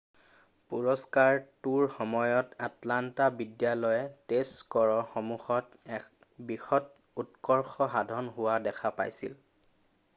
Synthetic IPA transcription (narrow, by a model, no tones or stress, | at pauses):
puɹɔskaɹtuɹxɔmɔjɔtatlantabidjalɔjɛtestkɔɹɔxɔmuxɔt | ɛ | bixɔt | utkɔɹxɔɦadʱɔnɦʊwadɛkʰapajsḭl